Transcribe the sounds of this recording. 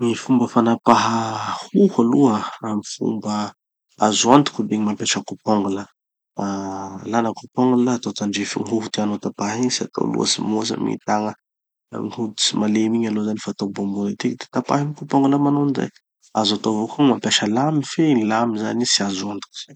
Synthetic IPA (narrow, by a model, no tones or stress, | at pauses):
mifumbəfanapaɦəhuhaluəamifṵmbə | azuand̪i̥kub̪eɲimapeʃəkupɔŋɡula | alanəkupɔŋɡunlaːt̪ot̪aɳɖ͡ʐefḭŋiɦuɦu̥t̪eanot̪apaɦiɲsia̰t̪o̰lṵə̰simosa̰mḭt̪aŋə̰ | ŋihud̪i̥simalemiɲalozanifaːt̪obomboɾit̪ikd̪e̥t̪apaɦimikupɔŋɡulamanonza̰j | azat̪ovokumampaʃəlamifelamizanisiazuand̪i̥ku̥z̥a